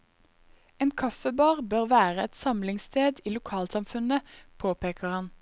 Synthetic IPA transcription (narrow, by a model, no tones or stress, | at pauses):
eːnkʰɑfəbɑːʁbøːʁʋæːʁəɛt̪sɑmlɪŋst̪ʰeːd̪iːlʊkʰɑːlsɑmfʉnəpʰoːpeːkəʁhɑn